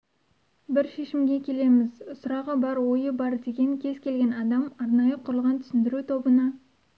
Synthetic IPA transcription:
bɪɾʃe̞ʃɪmɡʲe̞kʲʰe̞le̞mɪzʊsʊɾɑʁəbɑɾwojəbɑɾd̪e̞ɡʲe̞ŋkʲʰe̞zkʲʰe̞lɡʲe̞nɑd̪ɑmɑɾnɑjəqʰʊɾəlˠʁɑnt̪ʰʏ̥sɪnd̪ɪɾut̪ʰo̞bənɑ

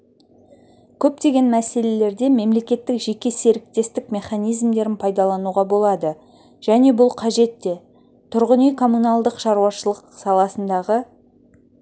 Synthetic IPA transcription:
kʲʰɵpt̪e̞ɡʲe̞nmæse̞le̞le̞ɾd̪e̞me̞mle̞kʲe̞t̪ːɪkʒe̞kʲe̞se̞ɾɪk̚t̪e̞st̪ɪkme̞χanijzmd̪e̞ɾɪnpʰɑjd̪ɑlˠɑnuʁɑbo̞lˠɑd̪ə | ʒ̥æne̞bʊlˠqʰɑʒe̞t̪ːe̞ | t̪ʰʊɾʁənijkʰo̞mːunɑlˠd̪əqʃɑɾuwɑʃəlˠəqsɑlˠɑsənd̪ɑʁə

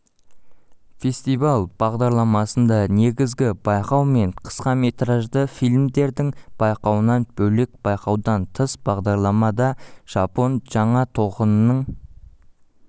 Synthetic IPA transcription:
fe̞st̪ijvɑlˠb̥ɑʁd̪ɑɾlˠɑmɑsənd̪ɑne̞ɡʲɪzɡʲɪbɑjqɑwme̞ɴqʰə̥sqɑme̞t̪ɾɑʒd̪əfijlʲmd̪e̞ɾd̪ɪŋb̥ɑjqɑwənɑnb̥ɵlek̚b̥ɑjqɑwd̪ɑnt̪ʰəsb̥ɑʁd̪ɑɾlˠɑmɑd̪ɑʒ̥ɑpo̞nʒ̥ɑɴɑt̪ʰo̞qənənəɴ

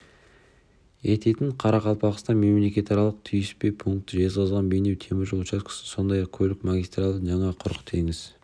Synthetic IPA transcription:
e̞t̪ʰe̞t̪ɪɴqʰɑɾɑqɑlˠpɑʁəst̪ɑme̞mle̞kʲe̞t̪ɑɾɑlˠəq̚t̪ʰʏjɪspe̞jpʰuŋk̚t̪əʒe̞t̪ʁɑzʁɑnbejnewt̪ʰe̞mɪɾʒoʃɑskʰɪ̥sɪso̞nd̪ɑjɑq̚kʲʰɵlɪkmaɡʲist̪ralˠːəʒɑɴɑqʰʊɾəqt̪ʰe̞ŋɪz

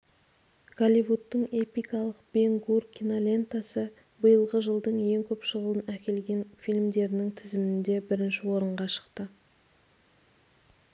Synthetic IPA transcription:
ɡ̥alʲivut̪ːəɴe̞pijkɑlˠəqb̥e̞ŋɡurkʲʰinolʲe̞nt̪asə | bəjəlˠʁəʒəlˠd̪əɴje̞ŋkʲʰɵpʃəʁəlˠənækʲe̞lɡʲe̞nfilmd̪e̞ɾɪnɪŋt̪ʰɪzɪmɪɪnd̪e̞bɪɾɪnʃɪwoɾəɴʁɑʃə̥qt̪ə

